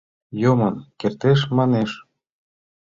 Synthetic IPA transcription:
jomɤnkert̪eʃ̬mɑneʃ

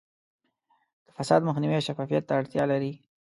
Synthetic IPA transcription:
d̪̥əfasɑ̰d̪məxnɪwiaʃafɑfijat̪ːaːɽt̪jɑlaɾi

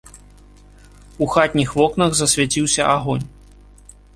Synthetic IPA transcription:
uxat̪ʲnʲixvɔknɐɣzɐsʲvʲat͡sʲiwsʲɐʔaɣɔnʲ

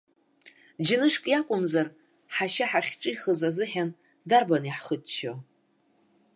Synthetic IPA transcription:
d͡ʒɪnɨʂkʼjakʷʼʊmzar | ħaʃaħaχʲʈ͡ʂʼɨjχəzazɨħan | darbaniħχətʼt͡ʃʰo

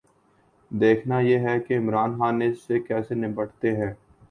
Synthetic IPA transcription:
d̪eːkʰnajeɦɛkeɪmɾaːnxaːnːeɪsːekɛːsenɪbəʈt̪eɦɛ̃ː

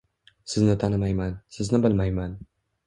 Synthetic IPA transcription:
sɪznɪt̪ʰanɪmajmansɪznɪbɪlmajman

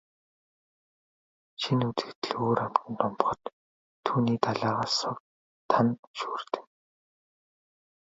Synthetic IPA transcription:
ʃinut͡sɘ̆kt̪ɘ̆ɮoːɾam̥t̪ɘ̆nt̪ʰɔmpχɞ̆t̪ʰː | uːniːt̪aɮaːʁaːsʊwt̪ | t̪ʰːanʃu̥ːrt̪ɘ̥̆n

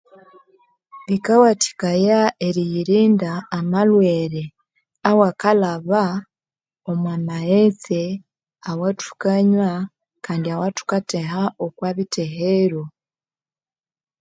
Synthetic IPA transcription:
βikawati̥kajaeɾijiɾiːndaːmalweɾe | awakalaβa | omwamaet͡se | awatu̥kaɲwa | kaːndiawatu̥katehaokwaβiteɦeɾo

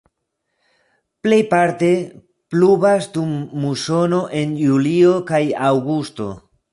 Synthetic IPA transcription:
ple̞jpaɾte̞ | plubasdumːuso̞no̞ʔe̞njuliokajawɡusto̞̰

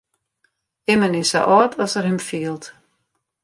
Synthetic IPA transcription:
ɪmənɪsa̰ʔɔːtʰɔsərhɪmfiəlˠt

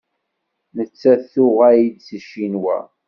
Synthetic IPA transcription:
nət͡sːæθʊʁæjid̪səʃinwæ̰

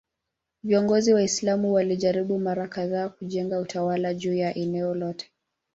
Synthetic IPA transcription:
viɔŋɡɔziwaislamuwaliʄaɾiɓumaɾakaðaːkuʄɛŋɡautʰawalaʄuːjaʔɛnɛɔlɔtʰɛ̥

